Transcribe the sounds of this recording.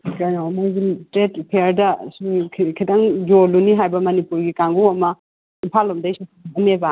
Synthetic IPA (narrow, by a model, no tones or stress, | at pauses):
kajnomojzintɾetpʰeɾdɐsukʰkʰidaŋjolːuniɦajbɐmɐnipuɾɡikaŋɡuwɐmɐ | inpʰalɐmdɐjsupʰbɐneba